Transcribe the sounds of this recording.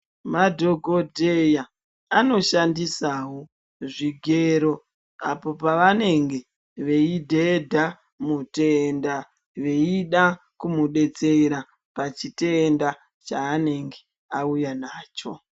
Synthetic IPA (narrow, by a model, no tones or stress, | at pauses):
madʱo̞ɡʱo̞dʱe̞jaː | no̞ʃandisaːɦo | ʐiɡʱe̞ɾo̞ | a̰po̞paʋane̞ŋɡe̞ | ʋe̞idʱedʱa | muteːnda | ʋe̞iɗa | kumuɗe̞t͡se̞ɾa | pat͡ʃite̞ːnda | t͡ʃaːne̞ŋɡe | aujanaːt͡ʃo̰